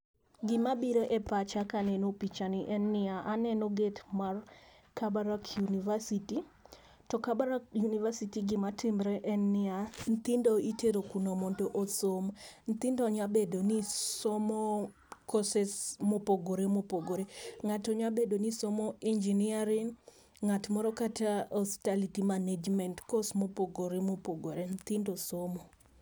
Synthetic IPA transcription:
ɡɪmabiɾoʔɛpat͡ʃakanɛnopit͡ʃaniʔɛnːɪaʔanɛnoɡetmar | kabaɾakʰjunivasiti | tɔkabaɾakjunivasitiɡɪmatʰimɾɛʔɛnːɪant̪indɔiteɾokunomondoʔosomnt̪indɔɲabedonisomɔ | kɔsɛsmopoɡoɾemopoɡoɾeŋatɔɲabedonisomɔind͡ʒiniaɾiŋ | ŋatmɔɾɔkataɔstalitimaned͡ʒmɛntkɔsmopoɡoɾemopoɡoɾent̪indosomɔ

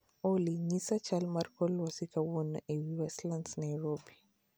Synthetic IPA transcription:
oliɲisat͡ʃalmarkɔlwasikawɔna̰ʔewiwɛslandsnajɾobi

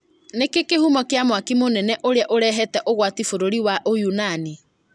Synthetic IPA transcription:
nekekehumɔkeamwakimonɛnɛʔoɾeaʔoɾɛɦɛtɛʔoɣwatifoɾoɾiwaʔojunani

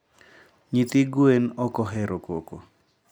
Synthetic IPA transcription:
ɲit̪iɡwenɔkɔɦɛɾokoko̰

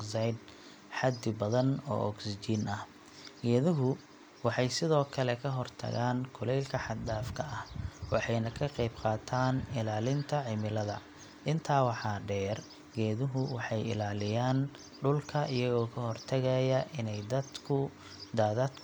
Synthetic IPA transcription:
sajd̪ | ħɑd̪ɪbɐðɐnɔ̰ːʔɔ̰ksd͡ʒiːnɐh | ɡɛːðʊɦʊ | wɑħɑjsɪðɔːkʰɐlɛkʰɐɦɔrt̪ʰɐ̰ɣaːŋkʰʊlɛjlkʰɐħɑd̪d̪aːfkʰɐʔɐhwɑħɑjnɐkʰɐqɛjbqɑːt̪ʰaːnɪlaːlɪnt̪ʰɐʕɪmɪlɐðɐ̰ | ʔɪnt̪ʰaːwɑħɑːɖɛːr | ɡɛːðʊɦʊwɑħɑjɪ̰laːlɪjaːn | ɖʊlkʰɐʔɪjɐɣɔːkʰɐɦɔrt̪ʰɐɣɐjɐʔɪnɛjd̪ɐd̪kʰʊ | d̪aːðɐd̪

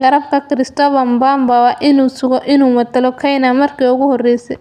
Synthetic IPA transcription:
ɡɐɾɐb̚kʰɐkɪɾɪst̪ɔβɐmbambawaʔɪnuːsʊɣɔʔɪnuːmɐd̪ɐlɔkʰɐjnamɐrkʰiːʊɣʊhɔrɛjsɛ

